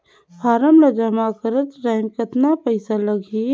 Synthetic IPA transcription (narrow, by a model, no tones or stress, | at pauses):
fʰaːɾəmɾɐd͡ʒamakəɾət̪ɾaːmkət̪napɐɪsalɐɡi